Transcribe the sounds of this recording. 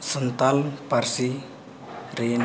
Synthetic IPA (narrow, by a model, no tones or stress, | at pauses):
sənt̪alparsi | ren